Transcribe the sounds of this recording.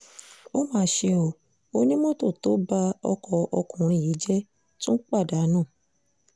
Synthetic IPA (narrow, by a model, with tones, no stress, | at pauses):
o˦mãː˦˧˦ʃe˧o˧˨ | o˧nĩ˦mõ˦to˦˨to˨˦ba˧ɔ̰˧kɔ˧ɔ˧kũ˨ɾ̃ĩ˧˨ji˨˦d͡ʒɛ˦ | tũ˦n̩˦k͡pa˦˨da˨˦nãː˦˨